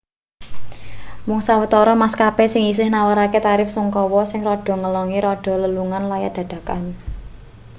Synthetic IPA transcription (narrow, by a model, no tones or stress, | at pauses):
mʊŋsawət̪ɔɾɔmaskapesɪŋis̬ɪhnawaɾaket̪aɾɪfsuŋkɔwɔsɪŋrɔɖ̥ɔ̤ŋəlɔŋiɾɔɖ̥ɔ̤ləluŋanlaja̰d̪̥ä̤d̪̥ä̤kan